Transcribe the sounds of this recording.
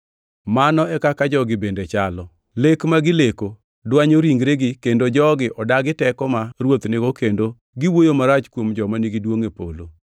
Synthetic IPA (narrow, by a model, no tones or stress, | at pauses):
manɔɛkakad͡ʒɔɡɪbendet͡ʃalɔ | lekmaɡɪleko | dwaɲoɾiŋɡɾeɡɪkendod͡ʒɔɡɪʔɔdaɡɪtɛkɔmaɾwot̪neɡokendo | ɡɪwojomaɾat͡ʃkwomd͡ʒɔmaniɡɪdwoŋepo̰lo̰